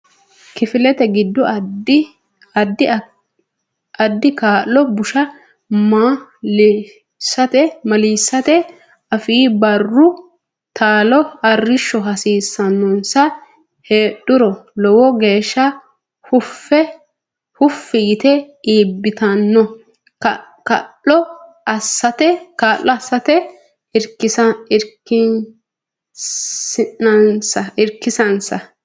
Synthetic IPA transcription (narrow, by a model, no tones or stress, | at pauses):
kɪfɪlɛt̪ɛɡɪd̪ːɔ | ɐd̪ːɪ | ɐd̪ːɪkaːlːɔbʊʃɐ | m | sːɐt̪ɛmɐliːsːɐt̪ɛ | ɐfiːbɐrːʊ | t̪ʰaːlɔɐrːɪʃːɔɦɐsiːsːɐnːɔnsɐ | heːɗʊɾɔlɔwɔɡe̞ːʃːɐ | hʊfɛ | hʊfːɪjɪt̪ɛ | iːbːɪt̪ɐnːɔ | kɐ̰lːɔ | ɐsːɐt̪ɛkaːlːɔɐsːɐt̪ɛ | ɪɾkːɪsɐɪɾkːɪn | ɪnɐnsɐɪɾkːɪsɐnsɐ